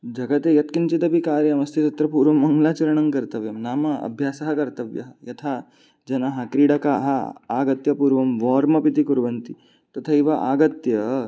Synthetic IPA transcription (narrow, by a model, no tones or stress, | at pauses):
d͡ʒʱɐɡɐt̪ejɐt̪kint͡ʃit̪ɐpikaːɾjɐmɐst̪ʰisɐt̪ɾɐpuːɾʋɐmːɐŋɡlaːt͡ʃɐɾɐɳ̃ɐŋkɐɾt̪ɐʋjɐmnaːmɐɐ̰bʱjaːsɐɦɐkɐɾt̪ɐʋjɐ̰ɦɐjɐt̪ʰa | d͡ʒɐnaɦɐkɾiːɽɐkaːɦɐaːɡɐt̪jɐpuːɾʋɐmʋɔːɾmɐpit̪ikuɾʋɐnt̪i | t̪ɐt̪ʰɐiʋaʔa̰ːɡɐt̪jɐ